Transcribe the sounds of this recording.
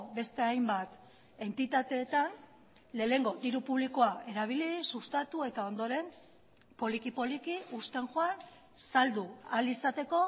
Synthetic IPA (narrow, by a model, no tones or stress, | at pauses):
be̞st̪e̞ajmbat̪ | e̞nt̪it̪at̪e̞ːt̪an | le̞ːle̞ŋɡo̞d̪iɾupuβ̞liko̞aʔe̞ɾaβ̞ilisust̪at̪ue̞t̪ao̞nd̪o̞ɾe̞m | po̞likipo̞likiust̪e̞ŋxoan | sald̪ualisat̪e̞ko̞